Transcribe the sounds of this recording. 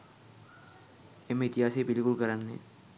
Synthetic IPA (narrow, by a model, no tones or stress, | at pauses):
emɪt̪ɪɦaːsibɪlkʊlkəɾanːḛː